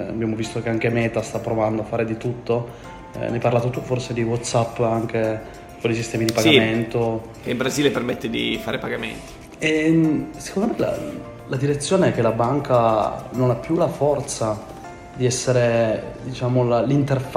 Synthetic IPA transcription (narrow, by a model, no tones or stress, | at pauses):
a̰bjamovist̪okeaŋk̟emɛːt̪ast̪apːɾovand̪oafːaːɾed̪it̪ut̪ːo | najpaɾrlaːt̪ot̪uforsed̪iwɔt̪ːsapːaŋk̟e | kolisist̪ɛːmid̪ipaɡament̪o | eimbɾaziːlepermet̪ːed̪ḭfaːɾepaɡamḛnt̪i̥ | ɛmsekond̪omejla̰ | lad̪iɾet̪sːjoːneɛkːelabaŋkanonapːjulafɔrt̪sa | d̪iɛsːeɾed̪it͡ʃaːmolalint̪erf